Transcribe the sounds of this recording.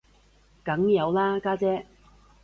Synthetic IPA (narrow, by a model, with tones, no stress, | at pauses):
kɐ˨˥ŋjɐ˨˧wlaː˥kaː˥t͡sɛː˥